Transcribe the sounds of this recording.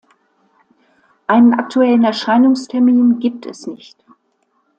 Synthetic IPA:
ʔaɪnənʔak̚tʰuɛlənɛɐʃaɪnʊŋstʰɛɐmiːnɡiːp̚tʰɛ̰snɪçt

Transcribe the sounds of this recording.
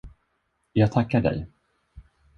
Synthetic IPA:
jɑːɡt̪ʰakːaɖɛ̰j

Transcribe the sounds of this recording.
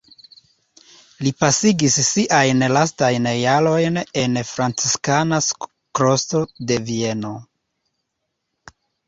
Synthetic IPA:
lipasiɡisːiʔajnlastajnjalo̞jne̞nfɾant͡siskanas | kɾo̞sto̞de̞vie̞no̞

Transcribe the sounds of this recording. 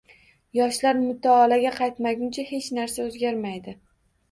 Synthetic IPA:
jɒʃlaɾmʊt̪ʰaːlaɡʲaqʰɑjt̪maɡʲʊnt͡ʃʰahe̞t͡ʃnaɾsaozɡʲaɾmajd̪ɪ

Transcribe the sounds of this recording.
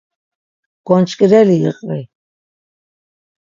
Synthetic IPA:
ɡ̥ɔnt͡ʃʼkʼɾɛliəqʼvi

